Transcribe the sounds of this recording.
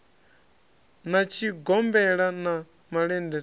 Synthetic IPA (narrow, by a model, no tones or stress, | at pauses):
nat͡ʃʰiɡɔmbɛɺana | maɺɛndɛ